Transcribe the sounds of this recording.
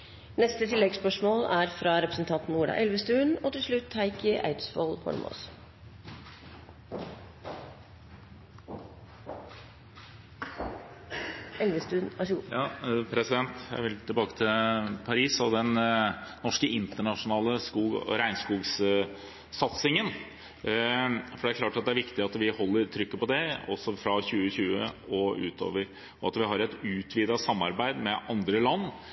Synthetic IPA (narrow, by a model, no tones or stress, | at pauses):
nɛst̪ət̪ʰɪlːɛɡspœʂmoːlæːɾfɾɑɾɛpɾəsn̩t̪ʰɑnt̪n̩uːɖɑ̰ːʔɛlʋəst̪ʉːnoːt̪ɪlʂɭʉt̪hæɪkəʔæ̰ɪd̪sfoːlhɔ̰ɾmʔo̰s | ɛlʋəst̪ʉːnʋæʂɑpʰɾɛsɪd̪ɛnt̪jæ̰ɪʋɪlt̪ʰɪbɑːkə̥t̪ʰɪlpʰɑɾiːsɔd̪ɛnnɔʂkəʔɪnt̪əɳɑʂʊnɑːləskuːɔ̰ɾæɪnskuːɡs | sɑt̪sɪŋən | fɔɖɛæɾkʰlɑːʈɑt̪̚d̪ɛæɾʋɪkt̪ɪɑt̪ʋɪhɔlːəɾt̪ʰɾʏkːəpɔd̪ɛɔsːɔfɾɑçʉːəçʉːəɔʉ̰ːt̪ʰo̰ːʋəɾ | ɔɑ̰t̪ʋɪɦɑɾɛt̪ʉːt̪ʰʋiːd̪ɑsɑmːɑɾbæɪd̪mɛʔɑnd̪ɾəlɑnː